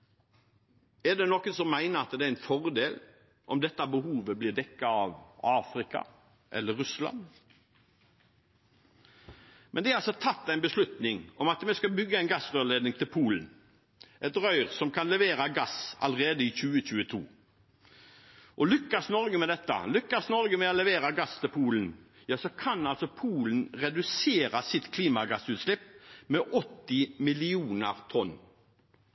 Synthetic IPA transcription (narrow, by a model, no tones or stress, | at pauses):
ɛɖ̪ɛnɔkːəsɔmːæɪnəɑt̪d̪ɛæɾɪnfɔʁd̪eːl | ʔɔmd̪ɛt̪ːɑbəhuːʋəblɪʁd̪ɛkːɑɑʋɑːfɾɪkɑ̰ | ʔɛ̰lːəɾʉslɑ̰n | mʔɛ̰nd̪ɛæɾɑlsɔt̪ʰɑt̪ːæɪnbəslʉt̪nɪŋɔmɑt̪mɛskɑbʏɡːəæɪnɡɑsʁøːleːd̪nɪŋt̪ʰɪlpʰuːln̩ | ʔɛt̪ɾœʏʁsɔmkʰɑnlɛʋeːɾɑɡɑsɑ̰lʁeːd̪əɪçʉːəc͡çʉːət̪ʰṵː | ʔɔlʏkːɑsnɔɾɡəmɛd̪ɛt̪ːə̰lʏkːɑsnɔɾɡəmɛɔlɛʋeːɾɑɡɑst̪ʰɪlpʰuːlən̩ | jɑːsɔkʰɑnɑlsɔpʰuːlən̩ʁɛd̪ʉseːɾɑsɪt̪kʰliːmɑɡɑsʉːt̪slɪpːmɛʔɔt̪ːɪmɪlɪuːnəʁt̪ʰɔn